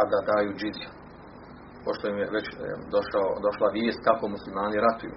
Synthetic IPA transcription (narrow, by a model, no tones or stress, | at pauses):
ad̪ad̪aːjuːd͡ʒiza | po̞ʃt̪ojimjeʋet͡ɕd̪oʃaod̪o̞ʃlˠaʋjeːst̪̚kako̞muslimaːniɾat̪ujṵː